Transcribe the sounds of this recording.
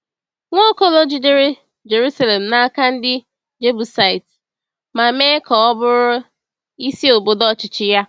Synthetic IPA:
ŋʷɔ˦kɔ˦lɔ˦d͡ʒi˨de˦ɾe˦ | d͡ʒe˨ɾu˦sa˦le˨m̩˨na˦a˦ka˦n̩˦dɪ˦ | d͡ʒe˦bu˨sa˨ɪ˨t | ma˨me˦kɔ˨ɔ˦bʊ˦ɾʊ˦ | i˦si˦o˨bo˨dɔ˦t͡ʃɪ˨t͡ʃɪ˦ja˦

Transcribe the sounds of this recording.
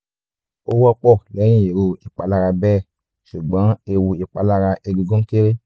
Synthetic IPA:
o˦wɔ˧k͡pɔ˦˨lɛ˨˦jĩ˦˨je˨ɾo˧i˨k͡pa˧la˧ɾa˧bɛː˦˨ | ʃu˨ɡ͡bã˨˦e˧wu˧i˨k͡pa˧la˧ɾa˧ʔe˧ɡi˧ɡõ˦ke˦ɾe˦

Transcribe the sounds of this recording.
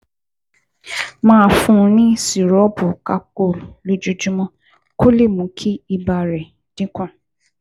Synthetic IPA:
mãː˦˨fũ˦˧˦nĩ˦si˨ɾɔ˨˦bu˨ka˧k͡po˦˨llu˨d͡ʒu˧d͡ʒu˦mɔ̃˦ | ko˦le˦˨mũ˨˦kʰi˦i˧ba˧ɾɛ˨ | d̥ĩ˦kũ˦˨

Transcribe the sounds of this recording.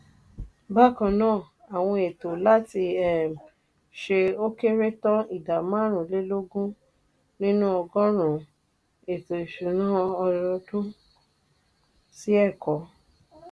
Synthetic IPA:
ba˦kã˧nãː˦˨ | a˨w̃ɔ̃˧e˨to˨la˦ti˧ɛ˦˨m | ʃe˧o˦ke˦ɾe˦tɔ̃˦i˨da˨mã˦ɾ̃ũ˨˦le˦lo˦ɡũ˦ | nĩ˦nũ˦ɔ˧ɡɔ̃˦ɾ̃ũ˨ | e˨to˨i˨ʃu˨nã˦ɔ˧ɾɔ˧dũ˦ | si˦ɛ˦˨kɔ˨˦

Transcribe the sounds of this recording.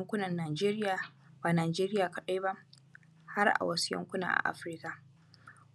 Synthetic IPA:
jɐ˦ŋkʷʊ˦nɐ˨nːaː˨d͡ʒeː˦ɾɪ˦jaː˨ | baː˨naː˨d͡ʒeː˦ɾɪ˦jaː˨ka˨ɗa˦jba˦ʔ | ha˦rʔa̰˨wɐ˦su˦jɐ̰˦ŋkʷʊ˦na̰ː˨ʔa̰˨ʔa̰˦ɸɾɪ˦ka˨

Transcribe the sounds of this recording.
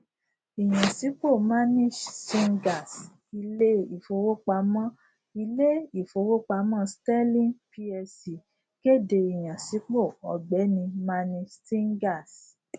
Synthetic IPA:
i˨j̃ã˨si˨˦k͡po˦˨ma˦nĩ˦d͡ʒsĩ˧ŋɡa˨s | i˧le˦i˨fo˧wo˦k͡pa˧˦mã˦ | i˧le˦i˨fo˧˦wo˦k͡pa˧˦mã˦stɛ˦lĩ˦npi˧ɛ˧si˨ | ke˦˨de˧i˨j̃ã˨si˨˦k͡po˦˨ɔ˨ɡ͡bɛ˨˦nĩ˧ma˦nĩ˧d͡ʒsĩ˦ŋɡa˦˨s

